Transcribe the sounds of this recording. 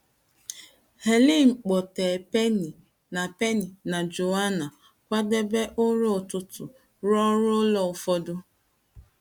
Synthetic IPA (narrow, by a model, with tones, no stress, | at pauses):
he˨li˦ŋ͡m̩˨k͡pɔ˨te˨pe˦ni˨ | na˨pe˦ni˨na˨d͡ʒo˨wa˦na˨ | kʷa˦de˦be˦ʔʊ˦ɾo˦˨tʊ˦tʊ˨ | ɾɔ˦ɾʊ˦lɔ˨ʊ˨fɔ˦dʊ˦